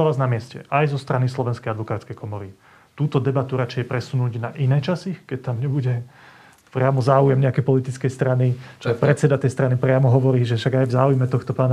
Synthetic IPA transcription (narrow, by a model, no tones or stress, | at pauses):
aʋaznamɪɛscɛ̰ʔajzɔst̪ɾanislɔʋɛnskɛjad̪ʋɔkaːt͡skɛjkʰɔmɔɾi | t̪uːt̪ɔd̪ɛbat̪uɾat͡ʃɛjɛpɾɛsunuːɟnaʔinɛːt͡ʃasikɛct̪amɲɛbuɟɛ | pɾɪamɔzaːujɛmɲɛakɛjpɔlit̪it͡skɛjst̪ɾanit͡ʃɔɛpɾɛt͡sɛd̪at̪ɛjst̪ɾanipɾɪamɔɦɔʋɔɾiːʒɛfʃaɡajvzaːujmɛt̪ɔxt̪ɔpaːna